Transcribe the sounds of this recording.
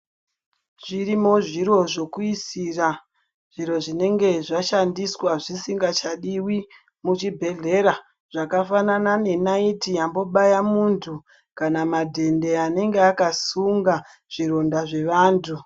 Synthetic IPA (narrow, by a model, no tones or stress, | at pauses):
ʐ̥iɾimo̞ʐiɾo̞ʐo̞kuisira | ʐ̥iɾo̞ʐine̞ŋɡe̞ʐaʃandiswaʐisiŋɡat͡ʃaɗiwi | mut͡ʃibʱe̞ɮe̞ɾa | ʐ̥akafananane̞naitijambo̞ɓajamuntʰu | kanamadʱe̞nde̞ane̞ŋɡeakasuŋɡa | ʐ̥iɾo̞ndaʐe̞ʋaːntʰu